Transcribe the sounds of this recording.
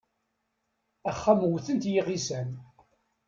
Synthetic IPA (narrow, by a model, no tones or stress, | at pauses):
æχːamwθənt̪jiʁisæn